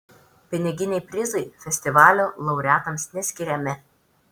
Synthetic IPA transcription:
pʲɪnʲɪɡʲɪnʲɛɪpʲɾʲɪzɐɪfʲɛsʲt̪ʲɪʋɑːlʲoːlˠɒʊɾʲæːt̪ɐmsnʲɛsʲkʲɪɾʲɛmʲɪ

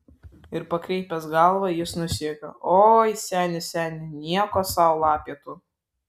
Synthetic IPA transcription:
ɪɾpɐkɾʲɛɪpʲɛsɡɑlˠʋɐjɪsnʊsʲiɛkʲɐ̰oːjsʲæːnʲɪsʲæːnʲɪnʲiɛkoːsɑʊlˠɑːpʲiɛt̪uː

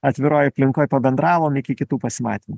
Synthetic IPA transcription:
ɐt̪ʲʋʲɪɾoːjɐpʲlʲɪŋkoːjpɐbʲɛnd̪ɾɑːʋoːmɪkʲɪkʲɪt̪uːpɐsʲɪmɑ̰ːt̪ʲimu

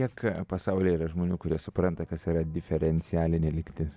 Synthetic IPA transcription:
iɛkpɐsɐʊlʲiːiːɾɐʒmoːnʲuːkʊɾʲiɛsʊpɾɐnt̪ɐkɐsiːɾɐd̪ʲɪfʲɛɾʲɛnʲt͡ssʲɪjæːlʲɪnʲelʲɪkʲt̪ʲɪs

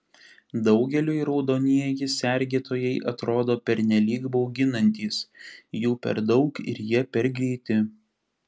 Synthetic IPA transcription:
d̪ɒʊɡʲɛlʲuːiɾɒʊd̪oːnʲiɛjɪsʲɛɾʲɡʲeːt̪oːjɛɪʔɐt̪ɾoːd̪oːpʲɛɾʲnʲɛlʲiːɡboʊɡʲɪnɐnʲt̪ʲiːsjuːpʲɛ̰ɾd̪ɒʊkɪ̰ɾjiɛpʲɛɾɡɾʲiːt̪ʲɪ

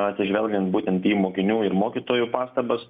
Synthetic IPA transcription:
ɐt̪ʲsʲɪʒʲʋʲɛlʲɡʲɛnt̪buːt̪ʲɛnt̪iːmoːkʲɪnʲuːɪɾmoːkʲit̪oːjupɑːst̪ɐbɐs

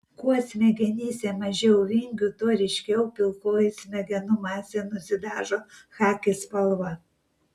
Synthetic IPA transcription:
kuɔsʲmʲɛɡʲɛnʲiːsʲɛmɐʒʲɛʊʋʲɪŋʲɡʲut̪oɾʲɛɪʃʲkʲɛʊpʲɪlˠkoːjɪsʲmʲɛɡʲɛnʊmɑːsʲɛnʊsʲɪd̪ɑːʒoːxɑːkʲɪspɐlˠʋɐ

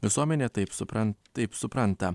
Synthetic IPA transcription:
ʋʲɪsuɔmʲɛnʲeːt̪ɐɪpsʊpɾɐnt̪ːɐɪpsʊpɾɐnt̪ɐ

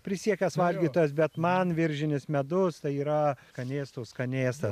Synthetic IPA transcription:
pʲɾʲɪsʲiɛkʲɛsʋɐlʲɡʲiːt̪oːjɛs̬bʲɛt̪mɐnʋʲɪɾʲʒʲɪnʲɪsmʲɛd̪ʊst̪ɐɪiːɾɐkɐnʲeːst̪oːskɐnʲeːst̪ɐ

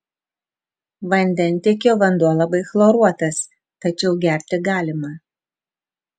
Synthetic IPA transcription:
ʋɐnʲd̪ʲɛnʲˑt̪ʲekʲoːʋɐnd̪uɔlˠɐbɐɪxlˠoɾuɔt̪ɐs | t̪ɐt͡ʃʲɛʊɡʲæɾʲt̪ʲɪɡɑːlʲɪmɐ

